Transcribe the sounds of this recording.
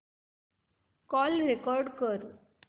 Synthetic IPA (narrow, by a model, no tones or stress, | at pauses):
kɔlɾekɔɾɖkəɾ